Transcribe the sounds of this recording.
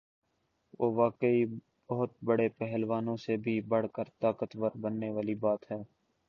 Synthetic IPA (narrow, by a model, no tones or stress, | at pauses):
ʋoːʋaːkəi | bəɦʊt̪̚bəɽepɛɦlʋaːnõsebʱibəɽ̤kəɾt̪aːkət̪ʋəɾbənːeʋaːlibaːt̪ɦɛː